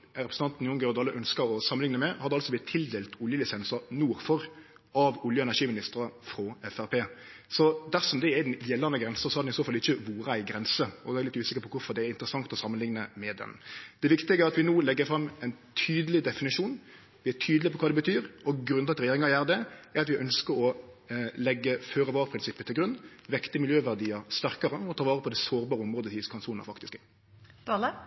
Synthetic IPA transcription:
ɾɛpɾəsʰɑnt̪n̩jɔŋɡɛɔd̪ɑlːəʔœnskəɾɔsɑmənɪŋnəmɛhɑd̪ːəɑlsɔbɪt̪ʰːɪld̪eːlt̪ʊljəlɪsɛnsənuːɾfɔɾ | ɑʋʊljəɛnæʂiːmɪnɪst̪əɾəfɾoɛfæɾpʰeːsɔd̪æɾsɔmd̪ɛɛd̪ɛnjɛlːɑnəɡɾɛnsəsɔhɑd̪ɛnɪsoːfɑlɪçːəʋuːɾəæɪɡɾɛnsəɔæɾlɪt̪ʉːsɪkəɾpʰɔkʊɾfɔʁd̪ɛːɾɪnt̪ɾəsɑŋt̪ɔsɑmːənlɪŋnəmɛd̪ɛ̰nd̪̥ɛʋɪkt̪ɪɡəæɾɑt̪ʋɪnuːlɛɡːəfɾɑmːɛɪnt̪ʰyːd̪əlɪd̪ɛfɪnɪʂuːn | ʋɪæʈʰyːd̪əlɪpʰɔkʰɑːd̪ɛbət̪ʰyːɾɔɡɾʉnt̪ɑt̪ɾɛjeːɾɪŋɑɾjæːɾd̪ɛɛɾɑt̪ʋɪʔœnskəɾɔ | lɛɡːəføːɾəʋɑːɾəpʰɾɪnsɪpːət̪ʰɪlɡɾʉnːʋɛkt̪ɪmɪljøːʋæʁd̪iːəɾst̪æʁkɑɾəɔt̪ʰɑːʋɑːʁəpʰɔd̪ɛsoːɾbɑːɾəɔmɾoːd̪ət̪ʰiːskʰɑnsʰuːnə̰ɾfɑkt̪ɪsk | t̪ɑlə

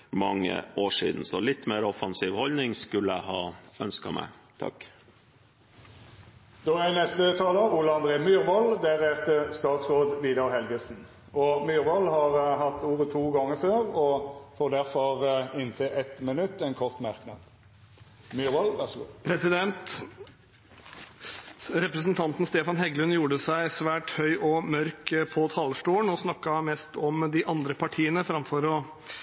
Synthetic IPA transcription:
mɑŋːə̰ʔoːʂḭːd̪n̩sɔlɪt̪ːmeːɾɔfɑnsiːʋhɔlnɪŋskʉlːəæhɑːœnskɑmæ̰ɪ | t̪ʰɑ̰k | d̪̥ɔænɛst̪ət̪ʰɑːləɾʊləɑnd̪ɾeːmyːɾʋɔld̪æɾɛt̪ːəst̪ɑːt̪sʁoːd̪ʋiːd̪ɑɾhɛlɡəsn̩ | ɔmyːɾʋɔlːhɑɾɦɑt̪ːuːɾət̪ʰuːɡɑŋːəføːʁɔfoːd̪æʁfɔʁɪnːt̪ʰeːʔɛt̪mənʉt̪ːɛɪnkʰɔʁt̪mæɾknɑ̰d̪ | myʋɑlʋæʁsṵːpʰɾɛsɪd̪ɛnt̪ | ɾɛpɾəsnt̪ʰɑnt̪n̩st̪eːfɑnɦɛɡlʉnjuːɖəsæɪsʋæːʈhœʏʔɔmœɾkpʰɔt̪ʰɑlsʈuːəɳɔsnɑkːɑmɛst̪ɔmd̪ɪʔɑnd̪ɾəpʰɑʈʰiːənəfɾɑmfɔɾɔ

